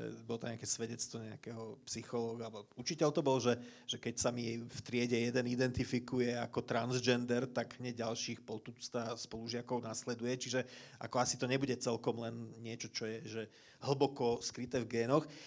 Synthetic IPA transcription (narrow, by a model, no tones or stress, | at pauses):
ɛ̰bɔlɔt̪ɔɲɛakɛːsʋɛɟɛt͡st̪ʋɔɲɛakɛɦɔpsixɔlɔːɡuaut͡ʃicɛʎt̪ɔbɔlʒɛʒ̥ɛkɛcsamift̪ɾɪɛɟɛjɛd̪ɛnid̪ɛnt̪ifikujɛakɔt̪ɾanzd͡ʒɛnd̪ɛɾt̪aɡɲɛɟalʃiːxpɔt̪ut͡st̪aspɔluʒɪakɔʊnaslɛd̪ujɛt͡ʃiʒɛʔa̰kɔasit̪ɔɲɛbuɟɛt͡sɛlkɔmlɛnɲɪɛt͡ʃɔt͡ʃɔjɛʒɛ | ɦl̩bɔkɔskɾit̪ɛːvɡɛːnɔx